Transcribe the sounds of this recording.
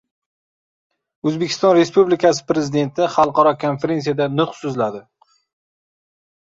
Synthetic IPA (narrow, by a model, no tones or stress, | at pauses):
ɵzbekʲʰɪ̥st̪ɒnɾe̞spublɪkʲas̬ɪ̥pɾezɪd̪e̞nt̪ʰɪχɑlˠqɑɾɒkʰonfe̞ɾe̞ns̬ijad̪anʊχsɵzlad̪ɪ